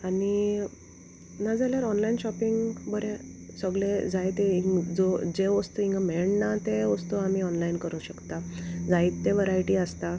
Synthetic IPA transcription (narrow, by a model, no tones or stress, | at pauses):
ani | nad͡zaljaɾɔnlainɕɔpiŋɡbəɾẽsəɡɭed͡zajt̪eid͡zod͡ʑeʋəst̪uiŋɡameɭnat̪eʋəst̪uamiɔnlainkəɾũːɕəkt̪ad͡zaiːt̪t̪ːeʋəɾajʈiːəst̪a